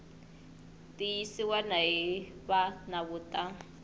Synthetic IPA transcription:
tijisiwanaɦiβanaβutʼa

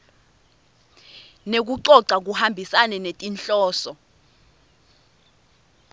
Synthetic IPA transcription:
nek̬uǃɔǀak̬uhambʱisanɛnetʼinɬɔːsɔ

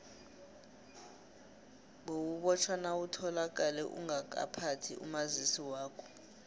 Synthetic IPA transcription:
ɓowuɓɔt͡ʃʰwanawutʰɔlak̬ʼalɛʔṵŋak̬ʼa̰pʰatʰiṵmazisiwaːkʰɔ̥

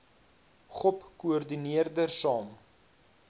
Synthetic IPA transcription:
χɔpkuɔrdiniərdərsɑːm

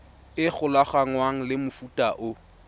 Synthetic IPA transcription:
ɪk͡xʊlaχaŋwaŋ̩lɪmʊfutʼaʔʊ

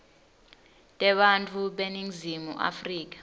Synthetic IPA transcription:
tʼɛɓantʼʰuɓeniŋzimṵʔa̰friːk̬ḁ

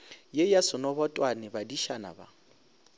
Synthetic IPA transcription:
jejasɔnɔbɔtʼwanɛbadiʃana̰ba̰

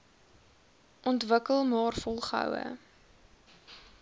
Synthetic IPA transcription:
ʔɔntvəkəlˠmɑːrfɔlˠχəə̰wə̰

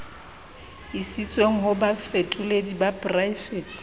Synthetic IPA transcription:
isit͡sʼweŋ̩ɦʊbafetʼuledibapʼrajfɛːt

